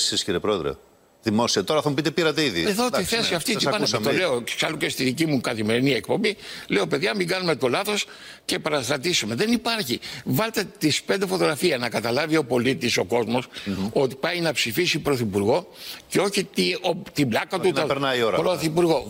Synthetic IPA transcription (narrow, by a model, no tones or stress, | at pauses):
sisciɾiepɾo̞eðɾḛ | ðimo̞siɐt̪o̞ɾɐθɐmupit̪̬epiɾɐt̪eiðieðo̞iθe̞siɐft̪it̪iɐnst̪ole̞oksɐluce̞st̪iðicimukɐθime̞ɾiniek̚po̞mbile̞o̞pe̞ðʝɐmiɡɐnume̞t̪o̞lɐθo̞s | ce̞pɐɾɐst̪ɾɐt̪isume̞ðe̞nipɐɾçivɐlt̪et̪ispend̪efo̞t̪o̞ɣɾɐfiɐnɐkɐt̪ɐlɐvio̞po̞lit̪iso̞ko̞zmo̞so̞t̪i̥pɐjnɐpsifisipɾo̞θipuɾɣo̞ce̞o̞çit̪iot̪iblɐkɐt̪uɐpeɾnɐioɾɐpɾo̞θipuɾɣo̞